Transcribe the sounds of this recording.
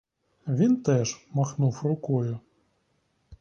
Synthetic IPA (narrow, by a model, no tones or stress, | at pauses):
ʋʲint̪ɛʃmɐxnufrʊkɔjʊ